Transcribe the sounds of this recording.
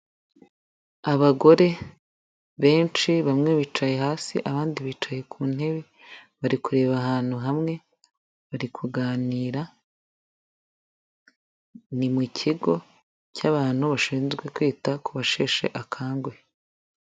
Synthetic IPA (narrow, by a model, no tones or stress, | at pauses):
aβaɡo̞ɾe̞ | βe̞ːnt͡ʃiβamŋe̞βiːt͡ʃaje̞haːsḭʔaβaːndiβiːt͡ʃaje̞kʰun̥e̞βi | βaɾikuɾe̞ːβaɦaːn̥huɦamŋe̞ | βaɾikʰuɡaːniːɾa | nimucʰiɡo̞ | caβaːn̥huβaʃiːnzɡwe̞kwiːtakuβaʃe̞ːʃe̞̰ʔakʰaːŋɡwe̞